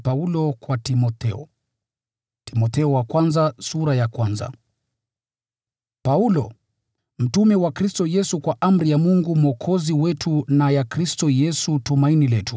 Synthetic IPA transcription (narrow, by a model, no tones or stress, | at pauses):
paulɔkwatimɔtɛɔ | timɔtɛɔwakwanzasuɾajakwanza̰ | paulɔ | m̩tumɛwakɾistɔjɛsukwaʔam̩ɾijamuŋɡum̩ɔkʰɔziwɛtʰunajakɾistɔjɛsutumainilɛtu